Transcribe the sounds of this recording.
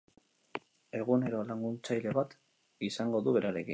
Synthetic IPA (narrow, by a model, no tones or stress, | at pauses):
e̞ɣ̞une̞ɾo̞laŋɡunt͡sajle̞βat̪ | isaŋɡo̞ðuβe̞ɾaɾe̞kin